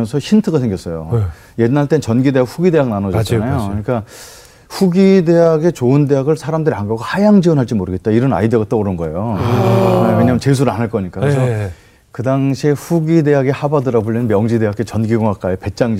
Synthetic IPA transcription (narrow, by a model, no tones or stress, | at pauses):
ʌnsʰʌçintʰɯɡasʰe̞ŋɡjʌs͈ʌjo̰ | je̞dnːaɭt͈ent͡ɕʌnɡide̞ɦakɸuɡide̞ɦak̚nanod͡ʑʌt͡ɕanajokɯɲik͈a | ɸuɡide̞ɦaɡe̞t͡ɕoɯnde̞ɦaɡɯɭsʰaɾamdɯɾiaŋɡʌɡʰohajaŋd͡ʑiwʌnɦaɭt͡ɕ͈imoɾɯɡet̚t͈aiɾʌna̰idɯɡat͈oːɾʌnɡʌe̞jo | weɲamɯnt͡ɕes̬ʰuɾɯɭanɦaɭk͈ʌɲik͈akkɾesʌ | kɯdaŋɕʰieɸuɡide̞ɦaɡe̞habadɯɾaɡopoʎːinɯnmjʌŋd͡ʑide̞ɦakʰet͡ɕʌnɡiɡoŋak͈ajepe̞t͡ɕ͈aŋd͡ʑ